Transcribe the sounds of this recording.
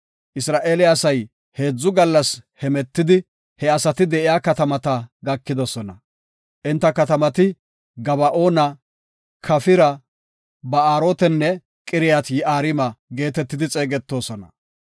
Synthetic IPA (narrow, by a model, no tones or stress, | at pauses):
ʔɪsɾaːʔe̞ːlɪɐsɐj | he̞ːd͡zːʊɡɐlːɐshɛmɛt̪ːɪd̪ɪ | hɛɐsɐt̪ɪd̪ɛʔɪjaːkɐt̪ɐmɐt̪ɐɡɐkːɪd̪ɔsɔnɐ | ʔɪnt̪ːɐkɐt̪ɐmɐt̪ɪ | ɡɐβɐʔo̞ːnɐ | kʰɐfɪɾɐ | bɐaːɾoːt̪ɛnːɛ | kʼɪɾɪjat̪jɪʔaːɾɪmɐɡe̞ːt̪ɛt̪ːɪd̪ɪt͡sʼe̞ːɡɛt̪ːo̞ːsɔnɐ̰